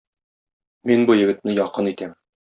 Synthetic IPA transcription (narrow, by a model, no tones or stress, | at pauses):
minbujɘ̆ɡɘ̆t̪̚nɘjɒqɤnit̪æm